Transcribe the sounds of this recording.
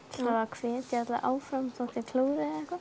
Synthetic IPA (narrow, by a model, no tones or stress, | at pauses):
aakʰvɛːt̪cɛɾt̪la̰ʔaːwfɾamt̪ɔt̪ɪkʰluːɾɪɛhka